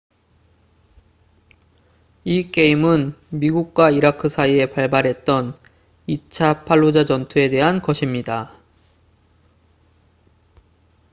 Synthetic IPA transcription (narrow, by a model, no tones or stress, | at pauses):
ik͈e̞imɯnmiɡuk̚k͈waiɾakʰɯsʰaie̞paɭbaɾɦe̞t̚t͈ʌn | it͡ɕʰapʰaɭːod͡ʑad͡ʑʌntʰue̞de̞ɦankʌɕʰimɲida